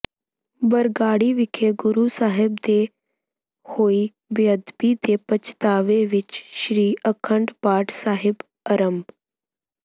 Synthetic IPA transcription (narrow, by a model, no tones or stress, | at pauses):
bəɾɡaːɽiʋɪkʰeɡʊɾuːsaːɦɪbd̪eː | hoːi | bjəd̪biːd̪eːpət͡ʃʰt̪aːʋeʋɪt͡ʃʃɾiːʔəkʰəɳɖpaːʈsaːɦɪb | ɐɾəmb